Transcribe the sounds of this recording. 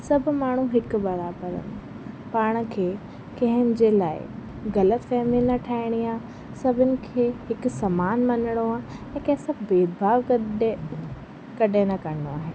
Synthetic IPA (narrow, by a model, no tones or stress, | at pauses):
sɐbʱʊmaːɳ̤uɦɪkʊ̆bɐɾaːbəɾə̰nɪ | paːɽ̃kʰeː | kɐ̃ɦɪnɪ̆d͡ʑeːlaːɪ̰ | ɣɐlət̪fɛːminɐʈʰaːɪɽ̃iaː | sɐbʱɪnɪ̆kʰeːhɪksɐmaːnmɐnɪɽ̃oaːɦɛ̃ːkɐ̃ɦɪ̃sɐbʱbeːd̪̚bʱaːʋk | kɐɗẽnɐkɐɾɪɽo̰aːɦeː